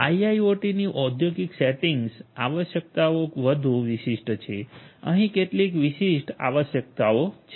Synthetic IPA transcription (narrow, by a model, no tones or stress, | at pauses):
ajaioʈiniʔɔd̪ʱjoɡikseʈiŋɡsaʋəʃjək̚t̪aokʋəd̪ʱuʋiʃiʂʈt͡ʃʰeə̰ɦĩkeʈlikʋiʃiʃʈa̰ʋəʃjək̚t̪aot͡ʃʰ